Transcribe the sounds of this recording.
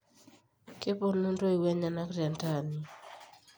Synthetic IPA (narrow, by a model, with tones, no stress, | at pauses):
ke˦po˦nu˦nto˦i˨wɛ˦ɲa˨na˦kɾja˨nta˦˨ni˨